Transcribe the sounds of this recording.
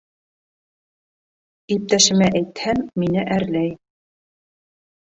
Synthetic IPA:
ip̚t̪æʃɘ̆mæʔæjt̪hæmːinɘʔæɾlæj

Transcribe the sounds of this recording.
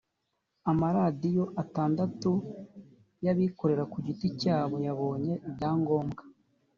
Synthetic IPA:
amaɾadijo̞ʔataːndatu | jaβiko̞ɾe̞ɾakuɟiticaːβo̞jaβo̞ːɲe̞bɟaːŋɡo̞ːmɡḁ

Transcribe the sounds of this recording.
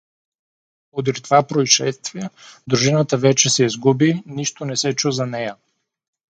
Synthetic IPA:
od̪iɾʲt̪vapɾoiʃɛst̪viɛd̪ɾuʒinət̪əvɛt͡ʃɛsɛizɡubiniʃt̪onɛsɛt͡ʃuzɐnɛjɐ

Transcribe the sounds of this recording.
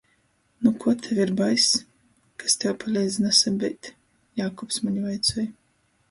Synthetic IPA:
nukʰuɔt̪ʰɛvʲiɾbajs | kast̪ʲɛwpʰalʲɛjd̪zʲnasabʲɛjt̪ʲ | jaːkɔpsmaɲivajt̪sɔj

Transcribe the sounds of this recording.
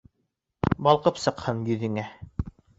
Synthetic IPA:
bɑlˠqɤpsɤ̆qhɤnjɵ̆ðɘ̆ŋæ

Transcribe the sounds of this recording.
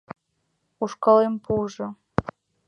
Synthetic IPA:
uʃkɤlempuʒɤ̆

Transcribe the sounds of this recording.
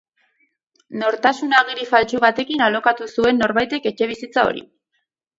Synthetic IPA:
no̞ɾt̪asunaɣiɾifalt͡ʃuβat̪e̞kinalo̞kat̪usue̞nːo̞ɾβajt̪e̞ke̞t͡ʃe̞βisit͡sao̞̰ɾḭ

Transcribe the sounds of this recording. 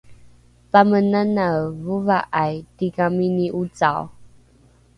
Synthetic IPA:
pamənanavuvaʔajtikaminiʔut͡sa̰w

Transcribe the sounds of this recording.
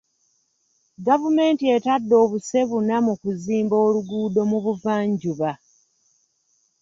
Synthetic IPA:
ɡavume̞ːntie̞tadːo̞ːβuse̞βunamukuziːmbo̞ːluɡuːdo̞muβuvaːɲɟuβa

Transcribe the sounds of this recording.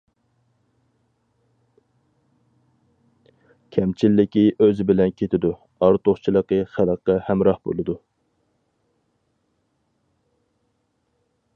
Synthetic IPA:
kʲʰɛmt͡ʃʰilːɪkʲiʔøzɪbɪlɛnkʲʰet̪ʰɪd̪u | ɑɾt̪ʰoχt͡ʃʰilˠəqəχæləqːɑhæmɾɑhbo̰lˠɨd̪u

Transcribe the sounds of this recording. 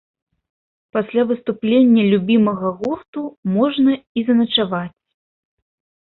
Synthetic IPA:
pasʲlʲavɨst̪uplʲenʲːɐlʲubʲimɐɣɐɣɔt̪umɔʐnɐizɐnɐt͡ʂavat͡sʲ

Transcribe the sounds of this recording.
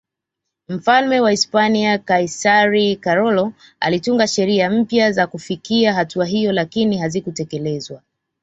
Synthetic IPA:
m̩falmɛwaispaniakaisaɾikaɾɔlɔ | a̰lituŋɡaʃɛɾiam̩pjazakufikiaɦatuaɦijɔlakiniɦazikutɛkɛlɛzwa

